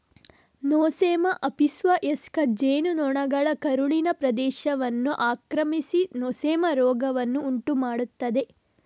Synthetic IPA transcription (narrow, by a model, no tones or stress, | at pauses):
noːseːmɐʔɐpisʋɐʔeskɐd͡ʒeːnunɔɳɐɡɐɭɐkɐɾuɭinɐpɾɐd̪ɛːʃɐʋɐnːuʔaːkɾɐmisinoːseːmɐɾɔːɡɐʋɐnːuːɳʈumaːɽut̪ːɐd̪e̞